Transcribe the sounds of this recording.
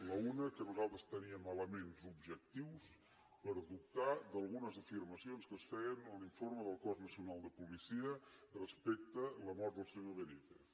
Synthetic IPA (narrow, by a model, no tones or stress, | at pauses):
ləunəkəːβəzalˠt̪əst̪əniəmaləmenzubʒək̚t̪iws | pəɾd̪up̚t̪ad̪əlˠɣunəzəfiɾməsionskəsfɛənəliɱfoɾməðəlˠkɔznəsiunalˠd̪əpulisiərəspɛk̚t̪ələmɔɾt̪̚d̪əlˠsenəβənit̪e